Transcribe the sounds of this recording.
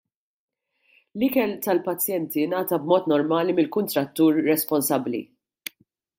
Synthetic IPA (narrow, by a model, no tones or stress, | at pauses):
lɪkɛlt̪ɐlpɐt͡sːjɛnt̪inɐːt̪ɐbmɔːt̪nɔɾmɐːlimɪlkʊnt̪ɾɐt̪ːuːɾːɛspɔnsɐbːlḭ